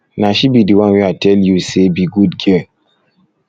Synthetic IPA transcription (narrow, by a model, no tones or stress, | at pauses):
naʃibidiwãnwiatʰɛljusebiɡudɡɛ